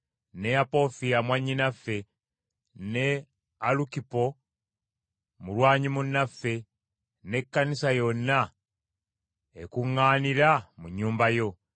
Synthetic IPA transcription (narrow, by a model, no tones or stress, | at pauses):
ne̞apo̞fijamwaɲːinafe̞ | ne | alukipo̞ | mulwaːɲimunːafe̞ | ne̞kːanisajo̞nːa | ekuŋːaːniɾamuɲːuːmbajo̞